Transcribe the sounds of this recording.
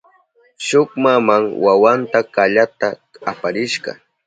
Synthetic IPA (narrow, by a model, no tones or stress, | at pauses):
ʃʊkmamaŋwawant̪akaʎat̪aapaɾɪʃɢɑ̰